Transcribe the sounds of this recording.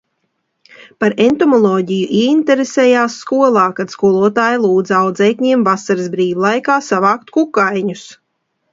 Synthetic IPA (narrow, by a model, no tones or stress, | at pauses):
paɾent̪ɔmɔlˠɔːɟijuʔiɛint̪eɾesɛːjaːsːkuɔlˠɑːkad̪skuɔlˠuɔt̪aːjilˠuːd̪zawd̪zɛjkʲɲiɛmvasaɾɨsbɾiːvlˠajkaːsavaːkt̪kukajɲus